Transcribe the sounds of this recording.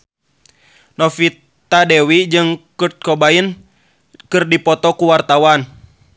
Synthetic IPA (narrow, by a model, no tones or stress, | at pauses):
nɔfit̪ː | adɛwid͡ʒɨŋkut̪̚kɔbain | kɨrdipɔt̪ɔkuwart̪awan